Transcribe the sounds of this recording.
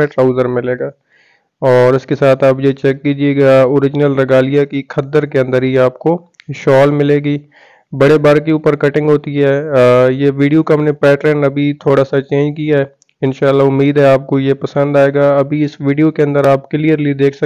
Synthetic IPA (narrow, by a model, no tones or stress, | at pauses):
ẽʈɾaːʊzəɾmɪleːɡaː | ɔːɾɪskesaːt̪ʰaːpjet͡ʃɛkːiːd͡ʒieːɡaoːɾɪd͡ʒnəlɾɐɡaːlijakikʰɐd̪əɾkeɐ̃nd̪əɾɦiaːp̚ko | ʃɔːlmɪleːɡiː | bɐɽebaːɾkeuːpəɾkɐʈɪ̃ŋɡɦoːt̪iɦɛːjeʋiːɖijokɐmnepɛːʈɾənɐbʱit̪ʰoːɽasat͡ʃẽːnd͡ʒkijaɦɛː | ɪnʃaːlːaʊmːiːd̪ɦɛaːp̚kojepɐsə̃nd̪aːeːɡaːɐbʱiɪsʋiːɖijokeɐ̃nd̪əɾaːpkɪliəɾlied̪eːkʰs